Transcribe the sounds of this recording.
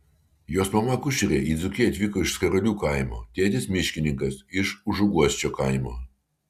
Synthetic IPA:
joːsmɐmɐkʊʃʲɪɾʲeːʔiːd̪zʊkʲiɐt̪ʲʋʲikoːɪʃsʲkʲɐɾɐlʲuːkɐˑɪmo̰ːt̪ʲeːt̪ʲɪsmʲɪʃʲkʲɪnʲɪŋkɐsɪʃʊʒʊɡuɔsʲt͡ʃʲoːkɐˑɪmoː

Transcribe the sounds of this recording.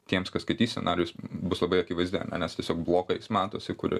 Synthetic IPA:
t̪ʲiɛmskɐsskɐɪt̪ʲiːsʲɛ̰nɑːɾʲɪjʊsbʊslˠɐbɐɪɐkʲiːʋɐɪzʲd̪ʲɪ̰nʲɛ̰nʲɛst̪ʲiɛsʲoːkblˠoːkɐɪsmɑːt̪oːsʲɪkʊɾʲɪ̰

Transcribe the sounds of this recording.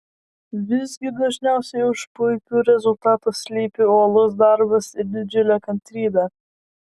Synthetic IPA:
ʋʲɪzɡʲɪd̪ɐʒʲnʲɛˑʊsʲɛɪʊʃpʊɪkʲuːɾʲɛzʊlˠt̪ɑːt̪ʊssʲlʲiːpʲɪuɔlˠʊs̬d̪ɑɾbɐsɪɾd̪ʲɪd͡ʒʲʊlʲækɐnʲt̪ʲɾʲiːd̪ɑ

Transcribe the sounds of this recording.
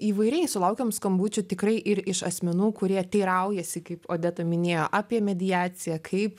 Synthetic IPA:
iːʋɐɪɾʲɛɪsʊlˠɐʊkʲomskɐmbuːt͡ʃʲʊt̪ʲɪkɾɐɪʔɪɾɪʃɐsʲmʲɛnuːkʊɾʲiɛt̪ʲɛɪɾɐʊjɛsʲɪkɐɪpoːd̪ʲɛt̪oːmʲɪnʲeːjoːʔɑːpʲiɛmʲɛd̪ʲɪjæːt͡s̪ʲɪjɛkʰɐɪp

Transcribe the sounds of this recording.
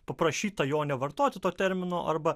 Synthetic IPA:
pɐpɾɐʃʲiːt̪ɐjoːnʲɛʋɐrt̪oːt̪ʲɪt̪oːt̪ʲɛɾʲmʲɪnoːʔɐrbɐ

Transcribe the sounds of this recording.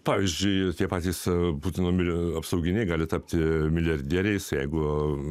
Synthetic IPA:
pɑːʋʲiːzʲd͡ʒʲʊɪt̪ʲiɛpɑːt̪ʲɛɪspuːt̪ʲɪnoːmʲɪɐpsɐʊɡʲɪnʲɛɪɡɑːlʲɪt̪ɑpʲt̪ʲɪmʲɪlʲɐɾʲd̪ʲiːɾʲɛɪsjɛɪɡʊ

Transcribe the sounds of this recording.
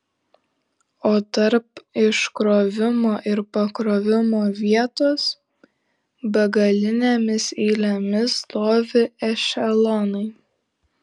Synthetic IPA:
oːt̪ɐɾpɪʃkɾoːʋʲɪmoːʔɪɾpɐkɾoːʋʲɪmoːʋʲiɛt̪oːs | bʲɛɡɐlʲɪnʲeːmʲɪsɛɪlʲɛmʲɪst̪oːʋʲɪɛʃʲɛlˠɔnɐɪ

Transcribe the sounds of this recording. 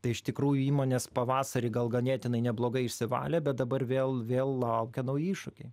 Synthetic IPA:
t̪ɐɪɪʃt̪ʲɪkɾuːjʊiːmoːnʲeːspɐʋɑːsɐɾʲɪːɡɐlˠɡɐnʲeːt̪ʲɪnɐɪnʲɛblˠoːɡɐɪɪʃʲsʲɪʋɑ̰ːlʲɛːbʲɛt̪̚d̪ɐbɐrʋʲeːlˠʋʲeːlˠlˠɐʊkʲɛnɐʊjiːʃʊkʲɛɪ

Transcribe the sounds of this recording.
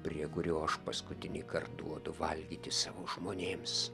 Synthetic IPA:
pʲrʲiɛkʊɾʲuːɐʃpɐskʊt̪ʲɪnʲɪkɐrt̪̚d̪ṵɔd̪ʊʋɐlʲɡʲiːt̪ʲɪsɑːʋoːʒmoːnʲeːms

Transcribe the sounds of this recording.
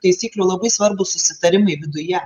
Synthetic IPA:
t̪ɐɪsʲiːklʲuːlˠɐbɐɪsʋɐɾbʊsʊsʲɪt̪ɐɾʲɪmɐɪʋʲɪd̪ʊjɛ

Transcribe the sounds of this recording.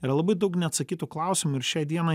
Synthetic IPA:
ɪɾɐlˠɐbɐɪd̪ɐʊknʲɛɐt̪sɐkʲiːt̪uklˠɑˑʊsʲɪmʊɪɾʃʲæɪd̪ʲiɛnɐɪ

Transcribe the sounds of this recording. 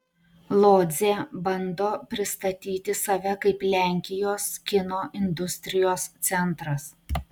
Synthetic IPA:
lˠoːd̪zʲeːbɐnd̪oːpʲɾʲɪst̪ɐt̪ʲiːt̪ʲɪsɐʋʲɛkɐɪplʲæˑŋʲkʲɪjoːskʲɪnoːʔɪnd̪ʊsʲt̪ʲɾʲɪjoːst̪sʲɛnˑt̪ɾɐs

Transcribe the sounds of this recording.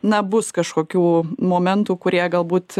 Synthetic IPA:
nɐbʊskɐʃkoːkʲuːmoːmʲɛnt̪uːkʊɾʲiɛɡɐlˠbuːt̪

